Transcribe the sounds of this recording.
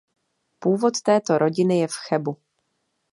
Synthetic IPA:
puːvo̞t̪t̪ɛːt̪o̞ɾʔo̞ɟɪnɪjɛfxɛbu

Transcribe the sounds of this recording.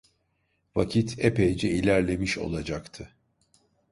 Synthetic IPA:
vacʰit̪ʰepʰejd͡ʒɛilʲæɾlʲe̞miʃo̞̰lˠad͡ʒakt̪ʰɯ

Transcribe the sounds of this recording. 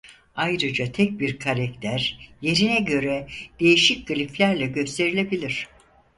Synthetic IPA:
ajɾɯd͡ʒat̪ʰɛc̚biɾkʰaɾɛkt̪ʰæɾje̞ɾinɛɟø̞ɾɛd̪̥e̞jiʃic̚ʲɡɯlʲiflʲæɾlʲɛɟø̞st̪ʰe̞ɾilʲe̞bilʲiɾ̥

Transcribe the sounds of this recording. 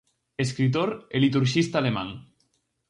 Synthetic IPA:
eskɾit̪̬oɾelit̪̬uɾʃist̪alema̰ŋ

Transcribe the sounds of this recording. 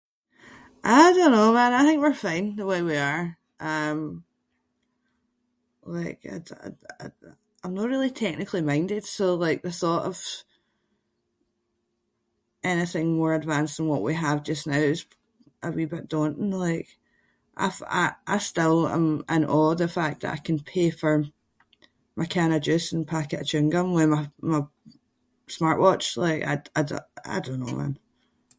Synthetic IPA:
ʔadõnːomãnaɪθɪ̃ŋk̚wiɹfãɪ̃nðəweɪwiə˞ | ʔʌ̃m | lˠaɪka̰a̰a̰ | ãɪ̃mnəʔɹilˠitʰɛk̚nɪkʰlˠimãɪ̃ndɪd̥solˠaɪk̚ðəθɔʔəv̥ | ɛnɪθɪ̃ŋmɔɹədvãnsðə̃nwɔʔwiəvd͡ʒʌsnaʊɪz̥ | ʔəwibʌʔd̥õnʔlˠaɪk | ʔa̰ɪfa̰ɪʔa̰ɪstɪlˠã̰mə̰̃nʔɔðəfak̚ðə̰ʔa̰ɪkʰə̃npʰefə˞ | məkʰanəd͡ʒʉsə̃npʰakɪʔət͡ʃɪ̃ŋɡə̃mwəmama | smaɹʔwɔt͡ʃlˠaɪka̰ɪaɪda̰ɪdõnːo̰ðə̰̃n

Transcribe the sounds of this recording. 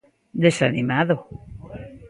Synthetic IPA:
d̪esanimaðo

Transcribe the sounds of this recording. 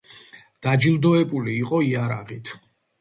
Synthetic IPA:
d̪̥ad͡ʒilˠd̪ɔɛbuliːqʼɔiaɾaʁit̪ʰ

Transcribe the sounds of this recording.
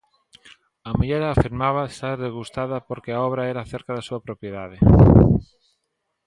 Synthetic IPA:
amiʎeɾaːfiɾmaβ̞aest̪aɾðezɣust̪aðapoɾkeaoβ̞ɾaeɾaθeɾkaðesuapɾopjeðað̞e

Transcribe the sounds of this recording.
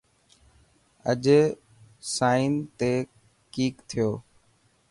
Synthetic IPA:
əʄ | saːint̪eː | kiːkt̪ʰɪjoː

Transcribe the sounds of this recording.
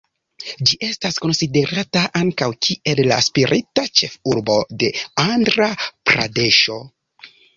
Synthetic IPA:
d͡ʒiʔe̞stasko̞nside̞ɾʔataʔaŋkawkʰie̞lla̰spiɾʔitat͡ʃe̞fuɾbo̞de̞andɾapɾa̰de̞ʃo̞

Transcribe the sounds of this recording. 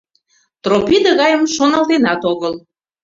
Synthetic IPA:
t̪ropʲid̪əɣɑjəmʃonɑlt̪enɑt̪oɣəl

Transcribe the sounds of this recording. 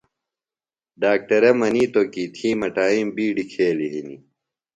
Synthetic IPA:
ɖaːk̚ʈɐɾɐmɐniːt̪okit̪ʰiːmɐʈaːimbiːɖikʰeːliɦinḭ

